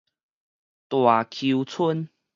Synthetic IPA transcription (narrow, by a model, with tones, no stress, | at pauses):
t̪wa˨˩kʰu˧t͡sʰu˦n